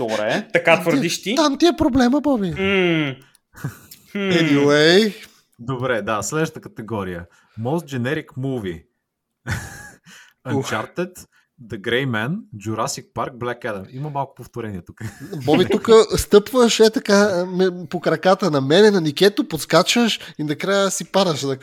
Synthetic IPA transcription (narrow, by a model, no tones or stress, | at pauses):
d̪̥obɾɛt̪ɐkat̪vəɾd̪iʃt̪it̪amt̪iɛpɾoblɛməbɔbi | ɛd̪iwej | d̪obɾɛd̪aslɛd̪ʃət̪əkət̪ɛɡɔɾijə | mɔst̪̚d͡ʒɛnɛɾikmuvḭ | ɐt͡ʃaɾt̪ɛt̪ | d̪əɡɾɛjmɛnd͡ʒuɾasik̚paɾk̚blɛkɛd̪ɐmiməmalˠkʊ̥poft̪oɾɛniɛt̪ukəbɔbit̪ukəst̪ɤpvəʃɛt̪ɐkamɛpokɾɐkat̪ənɐmɛnɛnɐnikʲɛt̪opot̪skat͡ʃəʃinɐkɾajəsipaɾəʃd̪ɐ